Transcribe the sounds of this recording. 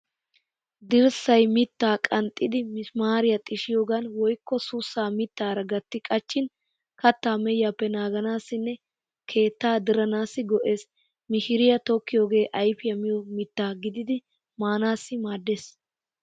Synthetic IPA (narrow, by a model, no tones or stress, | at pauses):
d̪ɪɾsɐjmɪt̪ːaːkʼɐnt̪ʼːɪd̪ɪmɪsmaːɾɪjɐt̪ʼɪʃɪjoːɡanwɔjkːɔsʊsːaːmɪt̪ːaːɾɐɡɐt̪ːɪkʼɐt͡ʃːɪn | kɐt̪ːaːmɛjːaːpːɛnaːɡɐnaːsːɪnːɛ | kʰe̞ːt̪ːaːd̪ɪɾɐnaːsːɪɡɔʔe̞ːs | mɪʃɪɾɪjɐt̪ɔkːɪjoːɡe̞ːʔɐjfɪjɐmɪjɔmɪt̪ːaːɡɪd̪ɪd̪ɪ | maːnaːsːɪmaːd̪ːeːs